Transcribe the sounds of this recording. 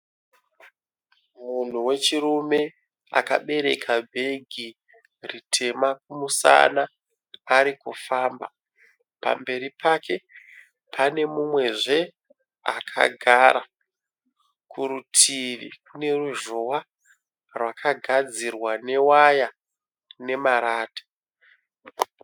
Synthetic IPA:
mun̤uwe̞t͡ʃirume̞ | a̰ka̰ɓe̞ɾe̞̰kʰabʱe̞ɡʱi | ritʰe̞mak̚umusa̰naː | ɾikufaːmba̰ | pa̰mbe̞ɾipʰake̞ | pʰane̞mumwe̞ʐe̞ | akʰa̰ɡʱaɾa | kuɾutʰiʋḭkune̞ruʒowa | rwakʰaɡʱad͡zirwane̞waja | ne̞maɾaːtḁ

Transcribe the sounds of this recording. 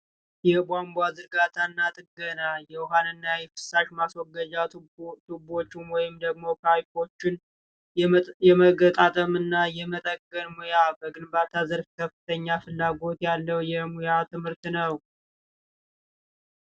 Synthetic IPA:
jɛbʷambʷazɨɾɡat̪ʰanːat̪ʼɨɡːənajɛwɦanɨnːajɛkɨ̥sːaʃmaswɔɡːəd͡ʒat̪ubo̞t͡ʃːɪnwɔjɪmd̪əɡmo̞kʰajko̞t͡ʃːɪn | jɛməɡət̪ʼat̪ʼəmɨnːajɛmət̪ʼəɡːənmujabəɡɨnbat̪ʰazəɾfkʰəfːɨt̪ʰəɲːafɨlːaɡo̞t̪jalːəwjɛmujat̪ʰɨmhɨɾt̪nəw

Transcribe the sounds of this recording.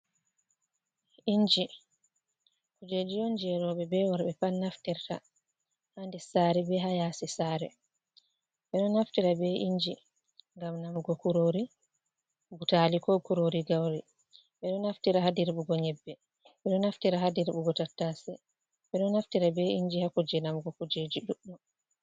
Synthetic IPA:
iɲd͡ʒi | kud͡ʒed͡ʒijɔnd͡ʒɛɾɔɓɛbɛwaɾɓɛpanːaftiɾta̰ | handɛsaɾɛbɛɦajaːsisaːɾɛ | ɓɛɗɔnaftiɾabɛʔiɲd͡ʒi | ŋɡamnamɡɔkuɾoɾi | butalikɔkuɾoɾiɡawɾi | ɓɛɗɔnaftiɾahadiɾɓuɡɔɲɛbːɛ | ɓɛɗɔnaftiɾaɦadiɾɓuɡɔtatːasɛ | ɓɛɗɔnaftiɾabɛʔiɲd͡ʒihakud͡ʒɛnamɡɔkud͡ʒed͡ʒiɗuɗɔ

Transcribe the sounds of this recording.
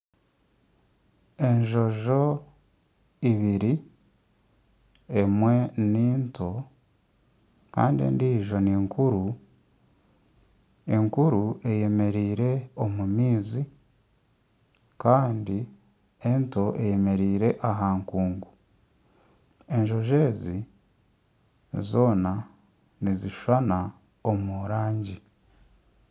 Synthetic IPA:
e̞nʒo̞ʒo̞ | iβiɾi | emwe̞niːntʰo | ka̰ːndiḛːndiːʒo̞niːŋkuɾu | e̞ŋkuɾue̞je̞me̞ɾiːɾe̞o̞mumiːzi | kaːndi | ento̞e̞je̞me̞ɾiːɾe̞ʔaɦaːŋkuːŋɡu | e̞ɲʒo̞ʒe̞ːzi | zo̞ːna | niziʃwana | omuɾaːɲɟi

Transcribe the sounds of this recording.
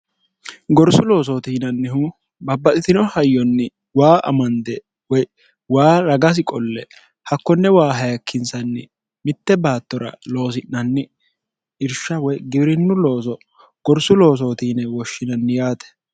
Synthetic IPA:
ɡɔɾsʊlo̞ːs̬oːt̪iːnɐnːɪhu | bɐbːɐt̪ʼɪt̪ɪnɔhɐjːɔnːɪ | waːʔɐ̰mɐnd̪ɛ | wɔj | waːɾɐɡɐs̬ɪkʼɔlːɛ | hɐkːɔnːɛwaːɦɐjɐkʰːɪnsɐnːɪ | mɪt̪ːɛbaːt̪ːɔɾɐ̰lo̞ːs̬ɪnːɐnːɪ | ɪɾʃːɐwɔjɡɪbɾɪnːʊlo̞ːs̬ɔ | ɡ̥ɔɾsʊlo̞ːs̬o̞ːt̪iːnɛwɔʃːɪnɐnːɪjaːt̪ɛ̥

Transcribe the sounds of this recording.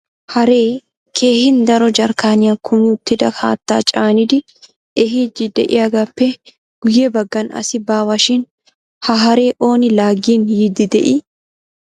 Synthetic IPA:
hɐɾeː | kʰe̞ːhɪnd̪ɐɾɔd͡ʒɐɾkaːnɪɐkʰːʊmuːt̪ːɪd̪ɐkʰa̰ːt̪ːaːt͡ʃʼaːnɪd̪ɪ | ɛɦid͡ʒɪd̪ɛʔɪɐɡɐpːɛ | ɡ̥ʊjebɐɡːɐnɐ̰sɪbaːwɐʃɪn | hɐɦɐɾe̞ːʔo̞ːnɪlaːɡiːnhiːd̪ɪd̪ɛ̰ʔɪ

